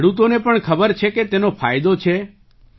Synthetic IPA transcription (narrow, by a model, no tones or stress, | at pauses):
ɽut̪onepəɳkʰəbəɾt͡ʃʰeket̪enopʰajd̪ot͡ʃʰe